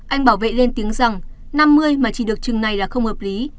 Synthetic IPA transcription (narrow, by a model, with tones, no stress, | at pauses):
ʔa˧jŋ̟ɓaː˧˩wvḛ˧˨le˧nt̪i˨˦əŋza˨˩ŋ | na˧mːɨ˧əjmaː˨˩t͡ɕi˧˩ɗɨ˨˩ək̚t͡ɕɨ˨˩ŋna˨˩jlaː˨˩xə˧wŋ͡mhəː˨˩p̚li˨˦